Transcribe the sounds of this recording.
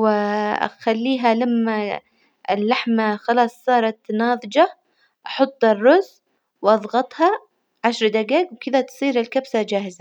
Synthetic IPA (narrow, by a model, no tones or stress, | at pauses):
wɪ̰xalːiːɦalamːa | ɪ̰lːaħmaxɑlɑːsˤːɑːɾˤɑt̪nɑːðˤɨd͡ʒɑ | ʔɑħʊt̪ˤːɑrˤːʊz | wʔɑðˤɣɑt̪ˤhɑ | ʕaʃɾˤd̪aɡaːɡwkɪðat̪sˤiːɾɪlkabsad͡ʒaːhɪza